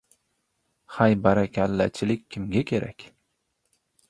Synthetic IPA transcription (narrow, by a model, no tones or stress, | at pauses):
hajbaɾakʲʰalːa̰t͡ʃʰɪlɪkʲkʰʲːɪmɡʲakʲʰe̞ɾʔa̰kʲ